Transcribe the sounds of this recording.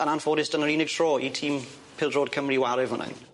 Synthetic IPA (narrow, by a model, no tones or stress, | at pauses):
ənanfɔːdɪstənəɹiːnɪɡ̚tʰɹ̥ɔːitʰiːm | pʰɪlˠdɹɔːd̚kʰəməɹiwaɾɪvənʔə̰n